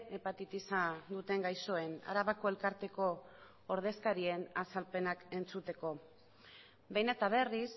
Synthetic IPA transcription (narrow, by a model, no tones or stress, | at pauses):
epat̪it̪isad̪ut̪e̞ŋɡajso̞e̞na̰ɾaβako̞e̞lkaɾt̪e̞ko̞ː | ɾð̞e̞skaɾie̞nasalpe̞nake̞nt͡sut̪e̞ko̞ | be̞jne̞t̪aβ̞e̞ris